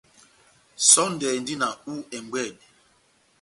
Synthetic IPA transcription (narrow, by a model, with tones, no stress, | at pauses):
sɔ˦n˦dɛ˨n˦di˦na˨u˦ɛ˨m˨ɡwɛ˦˨d